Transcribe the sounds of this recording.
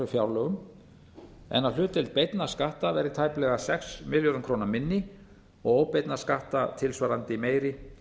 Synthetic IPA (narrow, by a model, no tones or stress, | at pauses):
ʏfjawɾlœɣʏm | ɛ̰nal̥ʏːt̪ɪlt̪̚pejt̪naskaht̪avɛɾɪt̪ʰaːjplɛɣasɛksmɪljɔɾʏnkʰɾoːwnamɪnːɪ | ɔɣoːwpejt̪naskaht̪at̪ʰɪlsvaːɾant̪ɪimeːjɾɪ